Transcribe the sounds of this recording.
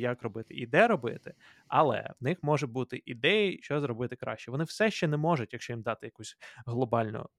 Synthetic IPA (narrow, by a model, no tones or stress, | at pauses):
jɐkrɔbɪt̪ɪ̰ʔid̪ɛɾɔbɪ̰t̪ɪ | ɐ̰lˠɛ̰wnɪxmɔʒɛbut̪ɪʔid̪ɛjiʃt͡ʃɔzɾɔbɪt̪ɪkɾɑ̰ʃt͡ʃɛʋɔnɪwsɛʃt͡ʃɛnɛmɔʒʊtʲjɐkʃt͡ʃɔjimd̪ɑt̪ɪjɐkusʲɦlˠɔbɑlʲnʊ̰